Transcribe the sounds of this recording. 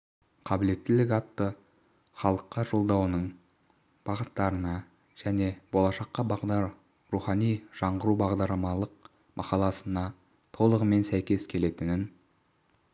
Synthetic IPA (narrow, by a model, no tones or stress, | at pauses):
qʰɑbɪle̞t̪ːɪlɪkʲɑt̪ːə | χɑlˠəqːɑʒo̞lˠd̪ɑwənəɴ | b̥ɑʁət̪ːɑɾənɑ | ʒ̥æne̞bo̞lˠɑʃɑqːɑbɑʁɑ | ɾuχɑnijʒ̥ɑɴʁəɾubɑʁd̪ɑɾlˠɑmɑlˠəq̚ | mʔɑ̰qɑlˠɑsənɑ | t̪ʰo̞lˠəʁəme̞nsæjkʲe̞skʲʰe̞le̞t̪ɪnɪn